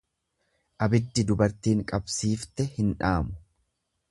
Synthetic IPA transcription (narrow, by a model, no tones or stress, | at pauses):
ʔɐbɪd̪ːɪd̪ʊbɐɾt̪iːŋkʼɐbsiːft̪ɛhɪnᶑaːmʊ̥